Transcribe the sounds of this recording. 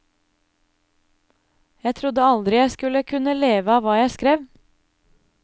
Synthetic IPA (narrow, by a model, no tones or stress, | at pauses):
jæɪt̪ʰɾʊd̪əɑld̪ɾɪjæɪskʉləkʰʉnəleːʋəɑːʋɑːjæɪskɾeːʋ